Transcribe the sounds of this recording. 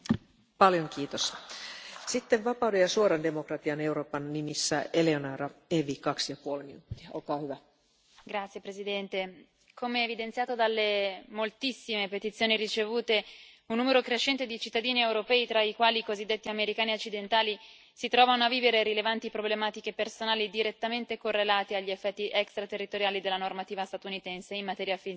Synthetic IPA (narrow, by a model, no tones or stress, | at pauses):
pɑljoŋkiːt̪os | sit̪ːeʋʋɑpɑwdejɑsuoɾɑndemokrɑt̪iɑnewɾoːpɑnːimisːæeleonɑɾɑeʋikɑksijɑpuolminut̪ːiɑolkɑːhyʋæ | ɡɾat̪sjepɾezid̪ɛnt̪e | kʰomeːvid̪ent̪sjaːt̪od̪alːemolt̪isːimepet̪it̪sjoːnirit͡ʃevuːt̪e | unːuːmeɾokɾeʃːɛnt̪ed̪it͡ʃit̪ːad̪iːniewɾopɛːit̪ɾaikwaːlikozid̪ːet̪ːiameɾikaːniot͡ʃːid̪ent̪aːli | sit̪ɾɔːvanoavːiːveɾeɾilevant̪ipɾoblemaːt̪ik̟epersonaːlid̪iɾet̪ːament̪ekorːelaːt̪iaʎːiefːɛt̪ːiʔɛkst̪ɾat̪erːit̪oɾjaːlid̪elːanormat̪iːvast̪at̪unit̪ɛnseimːat̪ɛːɾjafi